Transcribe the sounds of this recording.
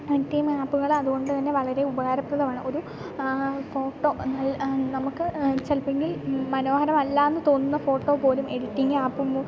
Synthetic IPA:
ɐtːijmaːpːuɣɐɭɐðuɣo̞ɳɖɨt̪ɐnːe̞ʋɐɭɐɾe̞ubɐɣaːɾɐprɐðɐmaːɳɨo̞ɾu | fo̞ːʈːo̞ːnɐɭnɐmukːɨt͡ɕːɐlpeŋɡilmɐno̞ːhɐɾɐmɐlːaːenːɨt̪o̞ːnːunːɐfo̞ːʈːo̞po̞ːlume̞ɽitːiŋɡɨaːpːum

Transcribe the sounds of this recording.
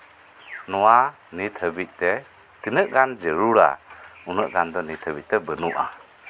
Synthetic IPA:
nɔwa | nit̪ʰəbit̪̚ˀtɛ | t̪inəʔɡand͡ʒeɾuɾa̰unəʔɡand̪ɔnit̪ʰəbit̪̚tɛbənuʔa̰

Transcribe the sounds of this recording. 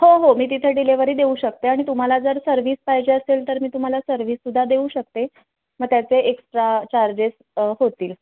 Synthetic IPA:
hoɦomiːt̪̬it̪ʰeɖileʋəɾiːd̪euɕək̚t̪eaɽ̃it̪um̤alad͡zəɾsəɾʋiːspajd͡ʑeəselt̪əɾmiːt̪um̤alasəɾʋiːsːud̪ʱːad̪euɕək̚t̪e | məɡt̪jat͡seeksʈɾat͡ɕaɾd͡ʑes | ɦot̪iːl

